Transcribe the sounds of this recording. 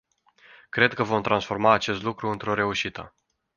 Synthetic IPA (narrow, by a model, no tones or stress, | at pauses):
kɾe̞d̪̚kəvo̞mt̪ɾansfo̞rmaːt͡ʃe̞st̪lukɾuɨnt̪ɾo̞ɾe̞uʃit̪ə